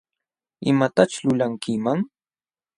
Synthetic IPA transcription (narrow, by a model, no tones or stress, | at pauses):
ɪ̰mat̪at͡ʃʊlʊlaŋkɪmaŋ